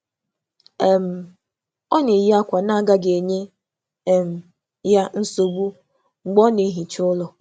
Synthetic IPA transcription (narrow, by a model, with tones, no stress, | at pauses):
e˦˨m̩˨ | ɔ˦nɪ˨ji˦a˦kʷa˨na˦ɡa˦ɡe˨ɲe˦˨ | m̩˨ | ja˦n̩˦so˨ɡ͡bu˦˨ | ɡ͡bɔ˦ne˨˦ɦi˨t͡ʃʊ˦lɔ˨